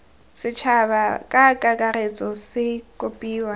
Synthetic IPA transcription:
sɪt͡ʃʰaβakʼakʼakʼaɾet͡sʼɔsɪkʼopʼiːwa

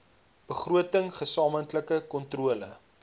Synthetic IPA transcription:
b̥əχruətəŋχəsɑːməntləkəkɔntruələ̰

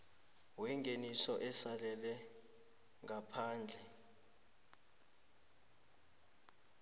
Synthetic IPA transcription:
wɛŋɡʱenisɔʔɛsalɛlɛ | ŋapʰaːnd͡ɮʱɛ

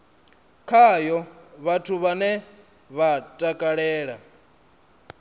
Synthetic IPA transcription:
kʰajɔβatʰuβanɛ | βatʼakʼaɺɛːɺa

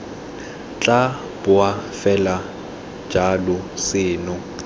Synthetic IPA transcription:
t͡ɬʼa | b̥ʊafɛlḁ | d͡ʒalʊsɪːnʊ

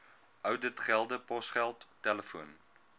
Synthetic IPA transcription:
œwdətχælˠdəpɔsχælˠtːɛləfuən

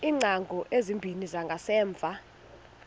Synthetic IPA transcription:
iːŋ͡ǀaŋɡʱɔʔezimbʱinizaŋɡʱasɛːɱb̪vʱa

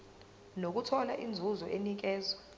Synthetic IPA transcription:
nok̬utʰɔlaʔind͡zʱuzɔʔenik̬ɛːzɔ

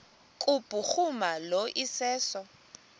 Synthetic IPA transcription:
kʼupʼuχumaloʔisɛːsɔ

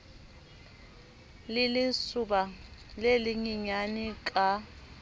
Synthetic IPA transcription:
lɪlɪsubalelɪŋiɲanikʼa

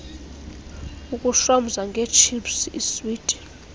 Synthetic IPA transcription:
ukʼuʃam̩zaŋɡʱɛt͡ʃʰipsḭswiːd̥ʱʼɛ̥

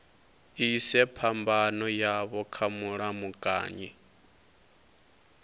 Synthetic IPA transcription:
isɛpʰambanɔjaβɔkʰamuɺamukʼa̰ːɲi

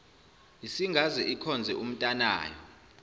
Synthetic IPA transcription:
isiŋɡʱazɛʔikʰɔnd͡zʱɛʔum̩tʼana̰ːjɔ̰

